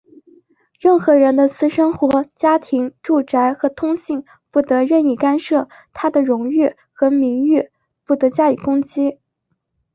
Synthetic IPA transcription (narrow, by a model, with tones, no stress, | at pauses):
ɻə˥˩nxɤ˧˥ɻə˧˥nd̪ə˧sʰɹ̩˥ʂə˥ŋxwɔ˧˥t͡ɕja˥t̪ʰi˧˥ŋʈ͡ʂu˥˩ʈ͡ʂa˧˥ɪxɤ˧˥t̪ʰʊ˥ŋɕi˥˩ŋ | fu˥˩t̪ɤ˧˥ɻə˥˧ni˥˩ka˥nʂɤ˥˩ | t̪ʰa˥d̪ə˨ɻʊ˧˥ŋy˥˩ | xɤ˧˥mi˧˥ŋy˥˩ | fu˥˩t̪ɤ˧˥t͡ɕja˥˧y˨˩kʊ˥ŋt͡ɕi˥